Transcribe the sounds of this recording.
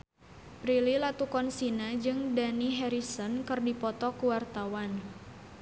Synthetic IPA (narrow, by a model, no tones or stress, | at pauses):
pɾililat̪ukɔnsinad͡ʒɨŋdaniɦɛɾisɔnkɨrdipɔt̪ɔkuwart̪awan